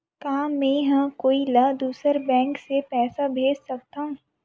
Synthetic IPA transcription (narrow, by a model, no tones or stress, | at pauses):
kaɦãmɛ̃ɦɐ̃koːilɐd̪uːsəɾbɛ̃ːŋksepɛːsabʱeːd͡ʒsɐk̚t̪aɦũː